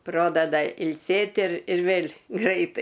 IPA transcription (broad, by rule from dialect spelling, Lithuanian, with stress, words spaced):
ˈproːdɐdɐ ɪlʲˈsʲeːtʲ ɪr ɪr ˈʋʲeːlʲ ˈɡrɐɪtɐɪ